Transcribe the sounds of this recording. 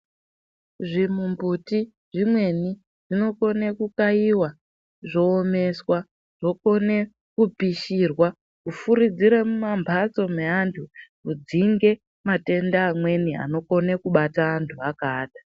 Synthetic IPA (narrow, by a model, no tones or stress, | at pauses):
ʐimumbuti | ʐimwe̞ni | ʐ̥ino̞ko̞ne̞kukaiwa | ʐo̞ːme̞swa | ʐ̥o̞ko̞ne̞ | kupiʃirwa | kufuɾid͡ziɾe̞mumambʱat͡so̞meantʰukud͡ziŋɡe̞ | mate̞ndaːmwe̞nia̰no̞ko̞ne̞kuɓataːntʰuakaːdḁ